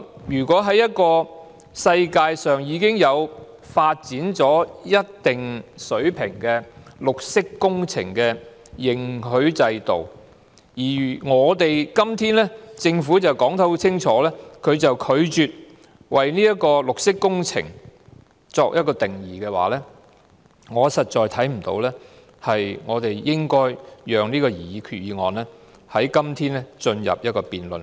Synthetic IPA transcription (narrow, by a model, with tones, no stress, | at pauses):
jyː˨˩kɔː˨˥ɦɐ˨˥jɐ˥t̚kɔː˧ | sɐ˧jkaː˧jsœː˨˩ŋjiː˨˧kɪ˥ŋjɐ˨˧w | faː˧t̚t͡siː˨˥nt͡sɔː˨˥jɐ˥t̚t̪ɪ˨ŋsɵ˨˥ɥpʰɪ̰˨˩ŋkɛː˧lʊ˨k̚sɪ˥kːʊ˥ŋt͡sʰɪ̰˨˩ŋkɛː˧ | jɪ˨ŋɦɵ˨˥ɥt͡sɐ˧jt̪o̰˨w | jiː˨˩˨ŋɔː˨˧t̪e˨jkɐ˥mt̪ʰiː˥nlɛː˥t͡sɪ˧ŋfuː˨˥t͡sɐ˨wkɔː˨˥ŋt̪ʰɐ˨˥wt͡sʰɪ˥ŋt͡ʃʰɔː˨˥lɛː˥kʰɵ˨˧ɥt͡sɐ˨wkʰɵ˨˧ɥt͡ʃyː˨t̚ | wɐ˨jniː˥jɐ˥t̚kɔː˧lʊ˨k̚sɪ˥kːʊ˥ŋt͡sʰɪ̰˨˩ŋ | t͡sɔː˧k̚jɐ˥t̚kɔː˧t̪ɪ˨˩ŋjiː˨˩kɛː˧wa̰ː˨lɛː˥ | ŋɔː˨˧sɐ˨t̚t͡ʃɔː˨˧jt̪ʰɐ˨˥jm̩˨˩t̪o̰˧wlɛː˥ | hɐ˨jŋɔː˨˧t̪e˨jjɪ˥ŋkɔː˥jjœː˨ŋniː˥kɔː˧jiː˨˩jiː˨˧kʰyː˨t̚jiː˨˧ŋɔː˨nlɛː˥ | hɐ˨˥jkɐ˥mt̪ʰiː˥nlɛ˥t͡ʃɵ˧njɐ̰˨p̚jɐ˥t̚kɔː˧piː˨nlɵ˨˩n